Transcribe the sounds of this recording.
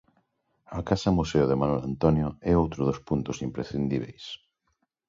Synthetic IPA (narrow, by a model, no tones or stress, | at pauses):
akasɐmuseoðemanɔlant̪ɔnjoɛowt̪ɾoðospunt̪osimpɾesθind̪iβ̞ḛjs